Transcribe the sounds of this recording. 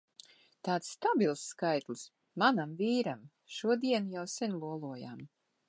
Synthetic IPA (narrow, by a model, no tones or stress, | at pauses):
t̪aːt̪sːt̪abilˠsːkajt̪lˠs | manamviːɾam | ʃuɔd̪iɛnjawsɛnlˠuɔlˠuɔja̰ːm